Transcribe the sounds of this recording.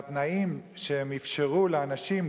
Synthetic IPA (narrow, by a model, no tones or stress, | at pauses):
t̪naimʃehemifʃeʁuleanaʃim